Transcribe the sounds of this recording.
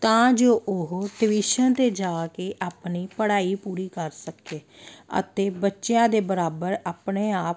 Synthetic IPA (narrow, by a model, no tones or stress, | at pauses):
t̪ãːd͡ʒoːʔʊɦɖɪʋɪʃənt̪eːd͡ʒaːkeːʔaːpniːpəɽaːiːpuːɾiːkəɾsəkeː | ə̰t̪eːbətːʃejãːd̪eːbəɾaːbəɾaːpneːaːp̚